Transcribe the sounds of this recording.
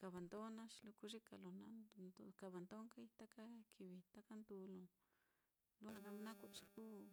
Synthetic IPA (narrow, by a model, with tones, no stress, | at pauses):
ka˨βa˨nd̪o˦nã˦ʃi̥˧lu˧ku˦ʐi˦ka̰˧lo˧nã˧˦nno˧ka˧˨βa˨nd̪o˦ŋka˦i˧t̪a˦ka˦kʰi˧βi˧t̪a˦ka˦nd̪u˧lõ˧˨ | lu˧˦a˧ða˧m˧˦nã˦kʷa˧˨ʃi˧ku˦